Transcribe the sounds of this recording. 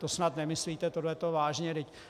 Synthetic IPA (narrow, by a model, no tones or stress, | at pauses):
t̪osnat̪nɛmɪsliːt̪ɛt̪odlɛt̪ovaːʒɲɛdɪc